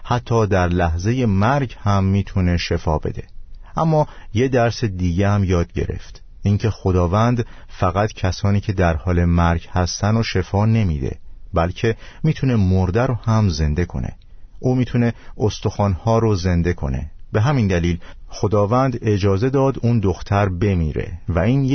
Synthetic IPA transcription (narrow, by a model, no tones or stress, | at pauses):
hæt̪ʰːɒːd̪æɾlæhze̞je̞mæɾɟhæmːiːt̪ʰune̞ʃe̞fɒːbe̞̰d̪e̞̰ʔæmːɒːje̞d̪æɾse̞d̪iːɟeæmjɒːd̪̚ɟe̞̰ɾḛft̪ | iŋcʰe̞xo̞d̪ɒːvænd̪fæɣæt̪cʰæsɒːniːcʰe̞d̪æɾhɒːle̞mæɾɟhæst̪ænoʃe̞fɒːne̞miːd̪ḛbælcʰe̞miːt̪ʰune̞moɾd̪æɾohæmze̞nd̪e̞kʰo̞̰nʔḛ | ʔuːmiːt̪ʰune̞ost̪o̞xɒːnhɒːɾoze̞nd̪e̞kʰo̞̰ne̞̰be̞ɦæmind̪æliːlxo̞d̪ɒːvænd̪e̞d͡ʒɒːze̞d̪ɒːd̪und̪oxt̪ʰæɾbe̞miːɾe̞̰væiːn